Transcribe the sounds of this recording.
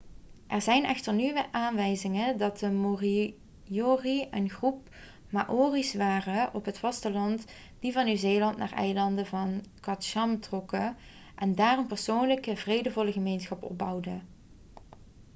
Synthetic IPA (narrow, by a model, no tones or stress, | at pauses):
ʔɛɹzɛjnɛxtəɹnyʋəʔaːnʋɛjzɪŋədɑt̚dəmori | joːriənχrup̚ | ma̰ʔoːrisʋaːrəʔɔpɦətfɑstəlɑnt | d̥ivɑnːyzeːjlɑntnaːɹɛ̰jlɑndəvɑnkɑtʃɑmtrɔkə | ʔɛndaːrənpəɹsownləkəvrejdəvɔləɣəmejnsχɑpɔ̰b̚ɑwdə